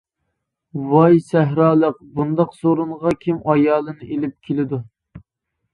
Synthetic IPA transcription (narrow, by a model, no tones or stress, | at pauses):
wɑjsɛɦɾɑːlˠəq̚bund̪ɑqsoɾuɴʁɑkʲʰimɑjɑːlˠɨnɨʔelɪp̚kʲʰelɪd̪u